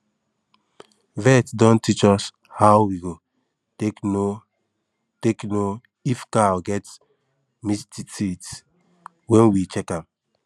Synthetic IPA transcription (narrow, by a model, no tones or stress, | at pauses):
vɛtdɔ̃ntit͡ʃɔs | hawwiɡo | tekno | tekno | ifkalɡɛt | mistisit | wɛ̃nwit͡ʃɛkãm